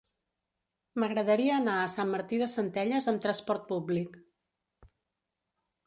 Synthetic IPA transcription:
məɣɾəðəɾiəːnaəsamːəɾt̪iðəsənt̪ɛʎəzəmt̪ɾəspɔɾt̪̚publik

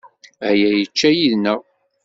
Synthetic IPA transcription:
æjæjət͡ʃːæjiðnə

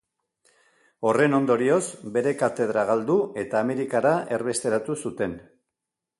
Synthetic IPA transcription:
o̞re̞no̞nd̪o̞ɾio̞zbe̞ɾe̞kat̪e̞ð̞ɾaɣald̪ue̞t̪aːme̞ɾikaɾae̞ɾβe̞st̪e̞ɾat̪usut̪e̞n

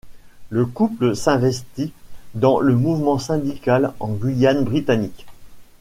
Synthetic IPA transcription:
ləkupləsɛ̃vɛst̪id̪ɑ̃ləmuvmɑ̃sɛ̃d̪ikalɑ̃ɡɥijanbʁit̪anik

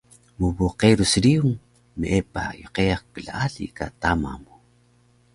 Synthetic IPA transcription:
mubuqeɾusɾiuŋ | meʔepa̰joqejaχkəɮaʔaɮḭkat̪ama̰mu

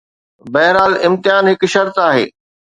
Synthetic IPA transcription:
bɐɦɾaːlɪ̃mt̪ɪɦaːnɦɪkʃɐɾt̪aːɦḛː

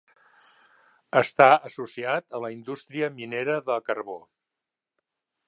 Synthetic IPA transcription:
əst̪aəsusiat̪ələind̪ust̪ɾiəmineɾəðəlkəɾβo

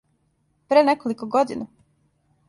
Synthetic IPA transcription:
pɾenekolikoɡod̪ḭna

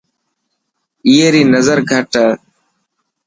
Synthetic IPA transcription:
ieːɾiːnəzəɾɡʱəʈəː

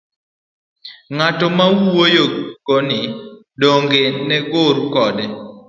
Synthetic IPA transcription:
ŋatɔmawwojokonɪ | doŋɡenɛɡʊɾkɔdɛ

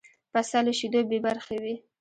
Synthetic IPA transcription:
pasɑləʃid̪obebaɾxawi

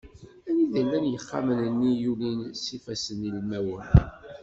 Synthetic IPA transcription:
æniðəlːænjəχːa̰mənənːijulinsifæsənilmæwən

